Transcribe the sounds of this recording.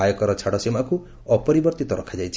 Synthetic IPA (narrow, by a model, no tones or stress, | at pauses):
ajɔkɔɾɔt͡ʃʰaɽɔsimaku | ɔpɔɾibɔɾt̪it̪ɔɾɔkʰad͡ʒajt͡ʃʰ